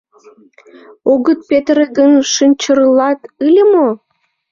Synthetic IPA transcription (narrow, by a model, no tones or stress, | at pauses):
oɣət̪̚pet̪ɾeɡənʃɨnʲt͡ɕərlɑt̪ɯlʲəmo